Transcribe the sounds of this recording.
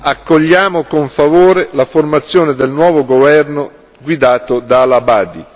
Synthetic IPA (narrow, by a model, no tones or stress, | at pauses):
akːoʎːaːmokoɱfavoːɾelaformat̪sːjoːned̪elnwɔːvoɡovɛrno | ɡwid̪aːt̪od̪aːlabaːd̪i